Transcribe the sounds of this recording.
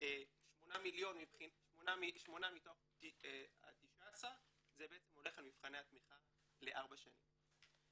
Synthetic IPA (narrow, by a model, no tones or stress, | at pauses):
eʃmo̞namiljo̞nmipχinʃmonamiʃmo̞namit̪o̞χ | a̰t̪iʃaːsa | zebeet͡semho̞le̞χalmifχaneat̪miχa | le̞ʔaʁbaʃanḭm